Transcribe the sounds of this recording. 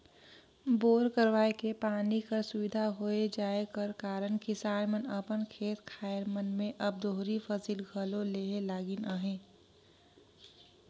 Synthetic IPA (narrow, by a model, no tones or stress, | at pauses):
boːɾkəɾʋaːekepaːnikəɾsʊʋɪd̪ʱaɦoed͡ʒaːekəɾkaːɾənkɪsaːɾmənəpənkʰeːt̪kʰaːjeɾmənmẽʔəb̚d̪oɦɾipʰəsiːlɡʱəlõleɦelaːɡinəɦẽː